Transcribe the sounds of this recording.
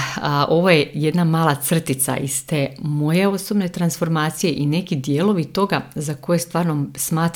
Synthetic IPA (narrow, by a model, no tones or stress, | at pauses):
ʔo̞ʋojeje̞d̪namaːlˠat̪sr̩t̪it̪sa̰ʔist̪e̞mo̞jeo̞so̞bne̞t̪ɾansfo̞ɾmaːt̪sije̞ʔine̞kid̪jeːlˠo̞ʋit̪o̞ɡazako̞je̞st̪ʋaːɾnomsmaːt̪